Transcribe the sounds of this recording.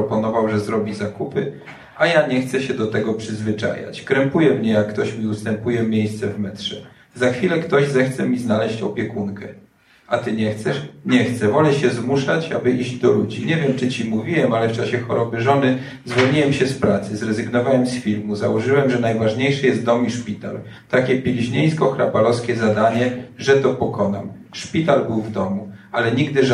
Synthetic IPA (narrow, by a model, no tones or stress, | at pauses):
ɔpɔnɔvawʐɛzɾɔbʲizakupɘ | ajaɲɛxt̪sɛɕɛd̪ɔt̪ɛɡɔpʂɘzvɘt͡ʂa̰ja̰t͡ɕkɾɛmpujɛmɲɛjakːt̪ɔɕmʲiust̪ɛmpujɛmʲjejst̪sɛvmɛtʂɛ | zaxfʲilɛkt̪ɔʑzɛxt̪sɛmʲiznalɛɕt͡ɕɔpʲjɛkunkɛ | ʔat̪ɘɲɛxt̪sɛʂɲɛxt̪sɛvɔlɛɕɛzmuʂat͡ɕabɘʔiʑd͡ʑd̪ɔlud͡ʑiɲɛvʲjɛmt͡ʂɘt͡ɕimuvʲiwɛmalɛft͡ʂaɕɛxɔɾɔbɘʐɔnɘ | zvɔɲiwɛmɕɛspɾat̪sɘzɾɛzɘɡnɔvawɛmsfʲilmuzawɔʐɘwɛmʐɛnajvaʐɲejʂɛjɛst̪̚d̪ɔmiʂpʲit̪a̰l | t̪akʲɛpʲilʲiʑɲejskɔkɾabalɔskʲɛzad̪aɲɛʐɛt̪ɔpɔkɔnam | ʂpʲit̪albɘwvd̪ɔmualɛɲiɡd̪ɘʐ